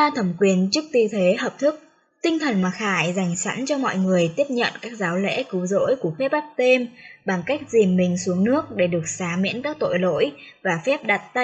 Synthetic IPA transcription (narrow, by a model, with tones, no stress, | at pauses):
a˧t̪ʰə˧˩mkwi˨˩ənt͡ɕɨ˦˥k̚t̪i˧t̪ʰe˨˦ɦəː˨˩p̚t̪ʰɨ˦˥k̚ | t̪ï˧ŋ̟t̪ʰə˨˩nmaː˨˩xaː˧˩jza˨˩jŋ̟sa̰˧˥nt͡ɕɔ˧mɔ̰˧˨jŋɨ˨˩əjt̪i˦˥əp̚ɲə̰˧˨nkaː˦˥k̚zaː˨˦wlɛ̰˧˥kɨ˨˦wzo̰˧˥jku˧˩əfɛ˦˥p̚ʔa˦˥p̚t̪e˧mɓa˨˩ŋka˦˥jk̟̚zi˨˩mːï˨˩ŋ̟su˨˦əŋnɨ˦˥ək̚ɗe˧˩ɗɨ˨˩ək̚saː˨˦mḭ˧˥ənkaː˦˥k̚t̪o̰˧˨jlo̰˧˥jvaː˨˩fɛ˦˥p̚ɗa˨˩t̚t̪a˧